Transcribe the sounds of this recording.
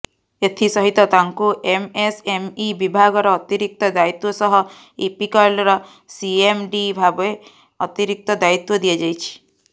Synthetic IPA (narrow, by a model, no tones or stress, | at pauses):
et̪ʰisɔɦit̪ɔt̪aŋkuʔemesemibibʱaɡɔɾɔːt̪iɾik̚t̪ɔd̪ait̪wɔsɔɦɔ | ipikɔjlɔɾɔ | siemɖibʱabe | ɔt̪iɾik̚t̪ɔd̪ait̪wɔd̪iad͡ʒajt͡ʃʰi̥